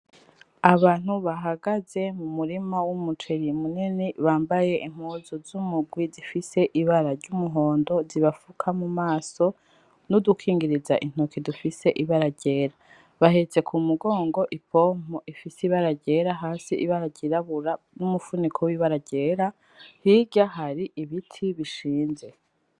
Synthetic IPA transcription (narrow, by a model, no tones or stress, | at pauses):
aβaːn̥huβaɦaɡaze̞mumuɾimawumutʰeɾimuniniβaːmbaje̞ʔim̥huːzozumuɡwizifise̞ʔiβaɾaɾɟumuɦo̞ːndo̞ziβafukʰamumaːso̞ | nudukʰiːŋɡiɾizaʔin̥okidufise̞ʔiβaɾaɟe̞ːɾa | βaɦet͡se̞kʰumuɡo̞ːŋɡo̞ʔipʰo̞ːm̥oʔifisiβaɾaɟe̞ːɾaɦaːsiʔiβaɾaɟiɾaβuɾa | numufunikʰowiβaɾaɟe̞ːɾa | hiɟahaɾiʔiβitʰiβiʃiːnze̞